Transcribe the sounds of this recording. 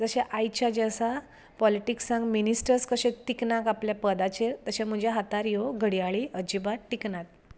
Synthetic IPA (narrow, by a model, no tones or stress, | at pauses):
d͡zəɕeʔajt͡ɕad͡ʑasa | pɔliʈiksãŋɡminisʈəɾskəɕẽt̪iknakapljapəd̪at͡ɕeɾt̪əɕẽm̤əd͡ʑaɦat̪aɾjoɡʱəɽijaɭiəd͡ʑibaʈiknat̪̚